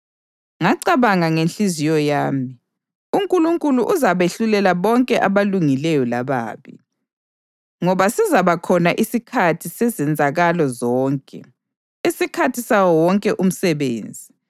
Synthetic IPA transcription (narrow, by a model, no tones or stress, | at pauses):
ŋaǀaβaŋaŋenɬizijɔjaːmi | uŋkʼuluŋkʼuluʔuzaβeɬulɛlaβɔŋkʼɛʔaβaluŋilɛjɔlaβa̰ːβḭ | ŋɔβasizaβakʰɔnaʔisikʰatʰisɛzɛnd͡zʱaɣalɔzɔːŋkʼɛ̰ | isikʰatʰisawɔwɔŋkʼɛʔum̩sɛβḛːnd͡zʱi